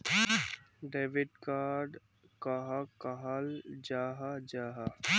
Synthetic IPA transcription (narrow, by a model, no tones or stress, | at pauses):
ɖeːʋɪɖkaːɾɖ | kaɦakɐɦald͡ʒaːɦad͡ʒaːɦa